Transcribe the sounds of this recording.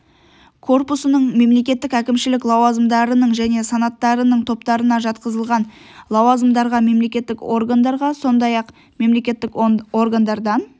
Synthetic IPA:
kʰo̞rpusənəɴme̞mle̞kʲe̞t̪ːɪkækʲɪmʃɪlɪklˠɑwɑzəmd̪ɑɾənəɴʒæne̞sɑnɑt̪ːɑɾənəɴt̪ʰo̞pt̪ɑɾənɑʒɑt̪qəzəlˠʁɑn | lˠɑwɑzəmd̪ɑɾʁɑme̞mle̞kʲe̞t̪ːɪko̞rɡand̪ɑɾʁɑso̞nd̪ɑjɑq | me̞mle̞kʲe̞t̪ːɪko̞rɡand̪ɑɾd̪ɑn

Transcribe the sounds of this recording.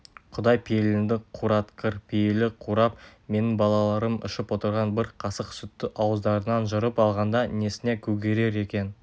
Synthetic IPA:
qʰʊd̪ɑjpʰejelɪnd̪ɪqʰuɾɑt̪qəɾpʰejelɪqʰuɾɑp̚me̞nɪŋbɑlˠɑlˠɑɾəmɪ̰ʃəpwo̞t̪əɾʁɑnbɪɾqʰɑsəqsʏt̪ːɪʔɑwəzd̪ɑɾənɑnʒəɾəpɑlˠʁɑnd̪ɑne̞sɪne̞kʲʰɵɡʲe̞ɾe̞ɾe̞kʲe̞n

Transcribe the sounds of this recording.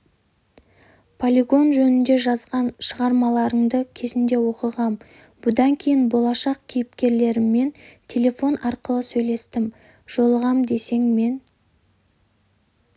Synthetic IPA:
pʰolʲiɡo̞nʒɵnɪnd̪e̞ʒɑzʁɑnʃəʁɑɾmɑlˠɑɾəɴd̪əkʲʰe̞zɪnd̪e̞wo̞qəʁɑm | bʊd̪ɑŋkʲʰe̞jɪnbo̞lˠɑʃɑq̚kʲʰijɪpkʲe̞ɾle̞ɾɪmːe̞nt̪ʲʰe̞lʲe̞fo̞nɑɾqəlˠəsɵjle̞st̪ɪm | ʒ̥o̞lˠəʁɑmd̪e̞se̞ŋme̞n

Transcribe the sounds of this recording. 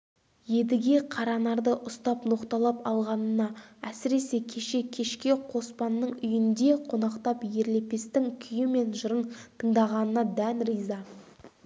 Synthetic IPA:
je̞d̪ɪɡʲe̞qʰɑɾɑnɑɾd̪əʔʊst̪ɑpno̞qt̪ɑlˠɑpɑlˠʁɑnənɑæsɪɾe̞se̞kʲʰe̞ʃe̞kʲʰe̞ʃkʲe̞qʰo̞spɑnːəɴʏjɪnd̪e̞qʰo̞nɑqt̪ɑpje̞ɾle̞pe̞st̪ɪŋkʲʰʏjɪme̞nʒʊɾənt̪ʰəɴd̪ɑʁɑnənɑd̪ænɾijzɑ

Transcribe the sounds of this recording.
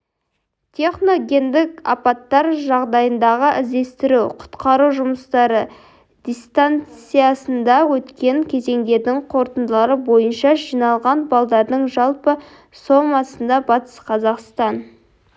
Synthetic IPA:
t̪ʲʰe̞χno̞ɡʲe̞nd̪ɪkɑ̰pɑt̪ːɑɾʒɑʁd̪ɑjənd̪ɑʁəʔɪzd̪e̞st̪ɪɾuqʰʊ̥t̪qɑɾuʒʊməst̪ɑɾə | d̪̥ʲijst̪ant̪ssijɑsənd̪ɑwɵt̪kʲe̞ŋkʲʰe̞ze̞ŋd̪e̞ɾd̪ɪŋqʰo̞ɾt̪ənd̪əlˠɑɾəbo̞jənʃɑʒijnɑlˠʁɑnbɑlˠd̪ɑɾd̪əɴʒɑlˠpə | so̞mɑsənd̪ɑbɑt̪ə̥sqʰɑzɑqst̪ɑn

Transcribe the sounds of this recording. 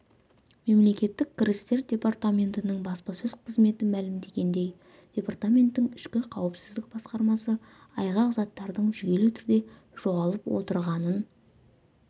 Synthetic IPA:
me̞mle̞kʲe̞t̪ːɪkʲkʲːɪɾɪst̪e̞ɾdʲe̞part̪amʲe̞nt̪ɪnɪɴbɑspɑsɵzqʰəzme̞t̪ɪmælɪmd̪e̞ɡʲe̞nd̪e̞j | d̥ʲe̞part̪amʲe̞nt̪ːɪŋɪʃkʲɪqʰɑwəpsɪzd̪ɪk̚b̥ɑsqɑɾmɑsə | ɑjʁɑqzɑt̪ːɑɾd̪əɴʒʏɡʲe̞lɪt̪ʰʏɾd̪e̞ | ʒ̥o̞ʁɑlˠəpwo̞̰t̪əɾʁɑnən

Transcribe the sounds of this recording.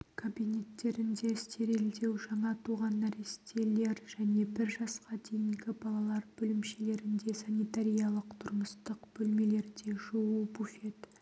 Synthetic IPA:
kʰobijne̞t̪ːe̞ɾɪnd̪e̞st̪e̞ɾe̞ld̪e̞wʒɑɴɑt̪ʰuʁɑnæɾest̪e̞le̞ɾʒ̥æne̞bɪɾʒɑsqɑd̪e̞jɪŋɡʲɪbɑlˠɑlˠɑɾbɵlɪmʃe̞le̞ɾɪnd̪e̞sɑnijt̪aɾʲijɑlˠəqt̪ʰʊɾməst̪əqb̥ɵlme̞le̞ɾd̪e̞ʒuwubufet̪

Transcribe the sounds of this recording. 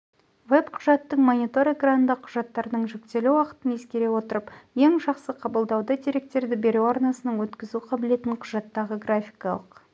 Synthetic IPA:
vepqʰʊʒɑt̪ːəɴmonʲit̪o̞ɾeɡranənd̪ɑqʰʊʒɑt̪ːɑɾnəɴʒɵk̚t̪e̞lɪwɑqə̥t̪əne̞skʲe̞ɾe̞wo̞t̪əɾəpje̞ŋʒɑqsəqʰɑbəlˠd̪ɑwd̪ɑd̪eɾe̞k̚t̪e̞ɾd̪ɪbe̞ɾewɑɾnɑsənəɴwɵt̪kʲɪzuqʰɑbɪle̞t̪ɪɴqʰʊʒɑt̪ːɑʁəɡrafʲijjkɑlˠəq

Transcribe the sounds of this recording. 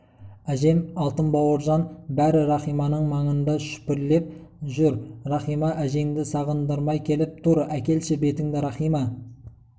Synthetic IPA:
æʒe̞mɑlˠt̪əmbɑwəɾʒɑnbæɾɪɾɑχijmɑnəɴmɑɴənd̪ɑʃʏ̥pɪɾle̞p̚ | ʒʏɾrɑχijmɑʔæʒe̞ŋd̪ɪsɑʁənd̪əɾmɑjkʲʰe̞lɪp̚t̪ʰʊɾækʲe̞lʃɪbe̞t̪ɪŋd̪ɪɾɑχijmɑ

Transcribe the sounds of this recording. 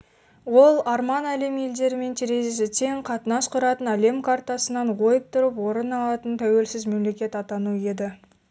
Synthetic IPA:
wo̞lˠɑɾmɑnæle̞mje̞ld̪e̞ɾɪme̞nt̪ʰeɾe̞zes̬ɪt̪ʰe̞ŋqʰɑt̪ənɑsqʰʊɾɑt̪ənæle̞mkʰart̪ɑsənɑnʁo̞jəp̚t̪ʰʊɾəpwo̞ɾənɑlˠɑt̪ənt̪ʰæwe̞lsɪzme̞mle̞kʲe̞t̪ɑt̪ɑnuje̞d̪ɪ

